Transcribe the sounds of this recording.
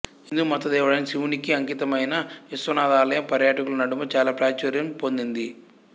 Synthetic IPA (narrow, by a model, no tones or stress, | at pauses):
ind̪uumɔt̪ːɐd̪ɛːʋɐɽɐnsiʋunikiɐŋkit̪ɐmɐjnɐisʋɐnaːd̪aːlɐjɐmpɐɾjaːʈɐkulunɐɽumɐt͡ʃaːlaːpɾaːt͡ʃɐɾjɐmpo̞nd̪ind̪i